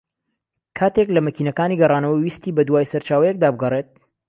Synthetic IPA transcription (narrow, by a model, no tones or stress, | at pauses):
kʰaːt̪eklɐmɐkiːnɐkaːniɡɐrɑːnɐwɐwist̪iːbɐd̪waːjsɐɾt͡ʃaːwɐjek̚d̪aːbɨɡɐret̪̚